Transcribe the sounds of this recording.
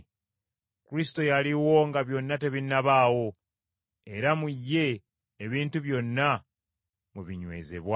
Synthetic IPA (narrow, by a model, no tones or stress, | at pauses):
kuɾisi̥to̞jaliwo̞ŋɡaβjo̞nːate̞βinːaβaːwo̞ | e̞ɾamujːe̞ː | βiːntuβjo̞nːa | muβiɲwe̞̰ːzḛβwa